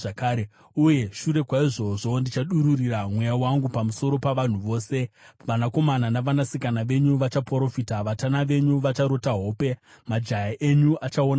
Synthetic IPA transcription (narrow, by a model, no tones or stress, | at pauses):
akaːɾe | uje̞ʃuɾe̞kwaiʐo̞ʐo̞ndit͡ʃaɗuɾuriramwe̞jawaŋɡupamuso̞ɾo̞paʋan̤uʋo̞ːse̞ʋanako̞mananaʋanasikanaʋe̞ɲuʋat͡ʃapoɾo̞fitaʋatanaʋe̞ɲuʋat͡ʃaɾo̞taɦo̞ːpe̞ | mad͡ʒajaʔe̞ɲuʔat͡ʃaona